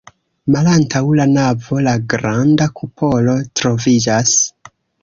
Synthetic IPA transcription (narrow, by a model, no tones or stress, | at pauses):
malantʰawlanavo̞laɡɾandakʰupʰo̞lo̞tɾo̞vid͡ʒas